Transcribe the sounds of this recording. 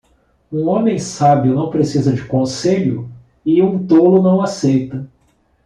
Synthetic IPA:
ũõmẽj̃sabjʊnɐ̃w̃pɾesizɐd͡ʒɪkõseʎʊ̰ | ɪũt̪olʊnɐ̃w̃asejt̪ɐ

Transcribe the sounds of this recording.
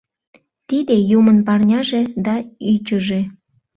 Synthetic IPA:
t̪id̪ejumənpɑrnʲɑʒed̪ɑyt͡ɕəʒe

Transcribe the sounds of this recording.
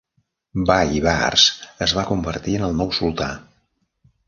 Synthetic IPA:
baiβarsəzβakumbərt̪iənəlˠnɔwsulˠt̪a̰

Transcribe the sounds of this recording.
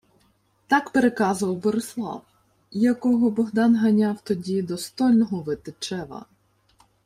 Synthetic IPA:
t̪ɑkpeɾekɑzʊʋɐwbɔɾeslˠɑ̰w | jɐkɔɦɔbɔɦd̪ɑnɦɐnʲawt̪ɔdʲid̪ɔst̪ɔlʲnɔɦɔʋɪt̪ɪt͡ʃɛʋɐ̰

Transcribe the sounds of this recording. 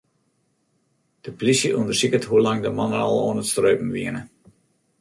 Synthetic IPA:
d̥əplisjəʔundərsikəthulɑŋdəmɑnəɑ̰lˠoːənətstrøːpn̩ʋiənə

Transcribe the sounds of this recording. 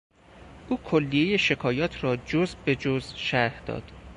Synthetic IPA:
ʔuːkʰolːije̞je̞ʃe̞kʰɒːjɒːt̪ʰrɒːd͡ʒozbe̞d͡ʒozʃæɾhd̪̥ɒ̰ːd̪̥

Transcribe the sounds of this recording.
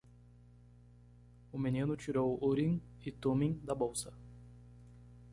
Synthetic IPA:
ʊminĩnʊt͡ʃiɾowoɾĩŋ | ɪt̪omĩj̃d̪ɐbowsɐ̥

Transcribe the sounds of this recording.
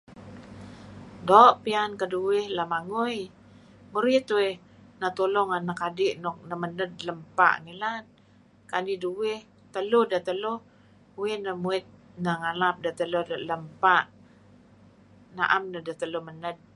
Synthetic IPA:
doʔpiankəduwɪhlamaŋuj | muɾit̪weh | nat̪olɔŋanakadɪʔnɔk̚nəmənəd̚ləmpa̰ʔŋilan | kaniduwɪh | t̪əlʊhdat̪əlʊ | uwɪnəmuɪt̪̚nəŋalap̚dat̪əludaləmpaʔ | naʔamnədat̪əluhmənəd̚

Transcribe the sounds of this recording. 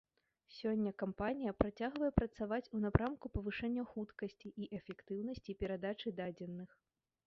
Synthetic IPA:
sʲɔnʲːɐkampanʲijɐpɾat͡sʲaɣvɐjɛpɾɐt̪savat͡sʲunapɾamkupɐvɨʂɛnʲːɐxut̪kɐsʲt͡sʲiʔiʔɛfʲɛkt̪ɨwnɐsʲt͡sʲipʲɛɾad̪at͡ʂɨd̪ad͡zʲɛnːɨx

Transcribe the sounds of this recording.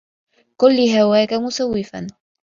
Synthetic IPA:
kʊlːɪɦawaːkamʊsawːɪfan

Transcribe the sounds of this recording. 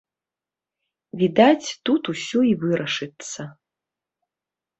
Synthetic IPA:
vʲid̪at͡sʲt̪ut̪usʲɔivɨɾɐʂɨt̪sɐ

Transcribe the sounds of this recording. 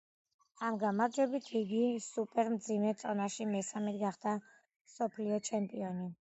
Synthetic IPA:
amɡamaɾd͡ʒɛbit̪ʰiɡisupʼɛɾmd̪zimɛt̪sʼɔnaʃimɛsamɛt̪ɡaχd̪̥a | msɔpʰliɔt͡ʃʰɛmpʼiɔni

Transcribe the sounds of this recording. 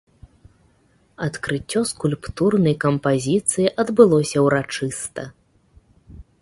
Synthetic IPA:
ɐt̪kɾɨt͡sʲːɔskulʲpt̪urnɐjkɐmpazʲit̪sɨjiʔɐd̪bɨlˠɔsʲɐwɾat͡ʂɨst̪ɐ

